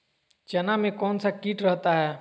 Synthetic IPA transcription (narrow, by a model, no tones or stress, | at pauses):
t͡ʃɐnamẽkɔːnsakiːʈɾɐɦt̪aɦɛː